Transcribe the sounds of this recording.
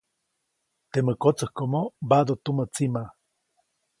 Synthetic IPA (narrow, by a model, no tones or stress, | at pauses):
t̪eməkot͡səhkomobad̪ot̪umət͡sima